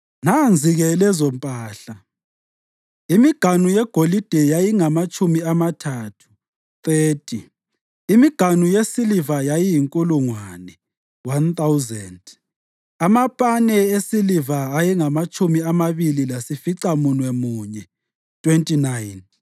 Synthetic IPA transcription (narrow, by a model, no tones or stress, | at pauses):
nand͡zʱiɣɛlɛzɔmpʼaːɬa | imiɡ̥ʱanujɛɡ̥ʱolid̥ʱɛjajiŋamat͡ʃʼumiamatʰaːtʰu̥ | t̪ʼeːtʰʼi | imiɡ̥ʱanujesilivajajijiŋkʼuluŋwanɛ | want̪awuzɛnd | amapʼanɛesilivaːjɛŋamat͡ʃʼumiamaβililasifiǀamunwɛmuːɲɛ | tʰʼwentʼinajn